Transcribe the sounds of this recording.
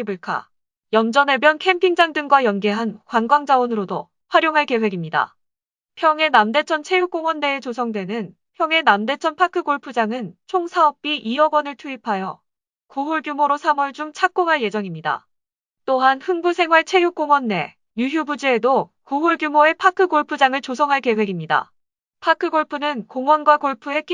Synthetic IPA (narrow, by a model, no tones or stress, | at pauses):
buɭkʰa̰ | jʌnd͡ʑʌne̞bjʌnkʰe̞mpʰiŋd͡ʑaŋdɯŋɡwajʌnɡeɦankwanɡwaŋd͡ʑawonɯɾodo | ɸwaɾjoŋɦaɭke̞we̞ɡimɲida̰ | pʰjʌŋe̞namde̞t͡ɕʰʌnt͡ɕʰe̞juk͈oŋwʌnːe̞ːt͡ɕos̬ʰʌŋdwe̞nɯn | pʰjʌŋe̞namde̞t͡ɕʰʌnpʰakʰɯɡoɭpʰɯd͡ʑaŋɯnt͡ɕʰoŋsʰaʌp̚p͈iʔiʌɡwʌnɯɭtʰuipʰajʌ | koɦoɭɡjumoɾosʰamʌɭd͡ʑuŋt͡ɕʰak̚k͈oŋɦaɭje̞d͡ʑʌŋimɲida̰ | t͈oɦanhɯŋbusʰe̞ŋɦwaɭt͡ɕʰe̞juk͈oŋwʌnːe̞ | jujubud͡ʑeːdo | koɦoɭɡjumoe̞pʰakʰɯɡoɭpʰɯd͡ʑaŋɯɭt͡ɕos̬ʰʌŋɦaɭke̞we̞ɡimɲida̰ | pʰakʰɯɡoɭpʰɯnɯnkoŋwʌnɡwakoɭpʰue̞k